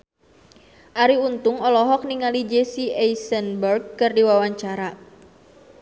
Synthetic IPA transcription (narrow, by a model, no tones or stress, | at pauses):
ʔaɾiunt̪ʊŋɔlɔɦɔk̚niŋalid͡ʒesiʔɛisənbərɡ̚kɨrdiwawaɲt͡ʃaɾa